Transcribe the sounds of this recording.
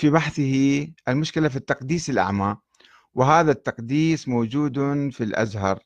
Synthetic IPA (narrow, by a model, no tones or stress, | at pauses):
fiβaħθɪhiʔɪlmʊʃkɪlafit̪ːɑqd̪iːsɪlʔa̰ʕmaː | wɪɦaːðat̪ːɑqd̪iːsmoːd͡ʒuːd̪filʔa̰zɦɑɾˤ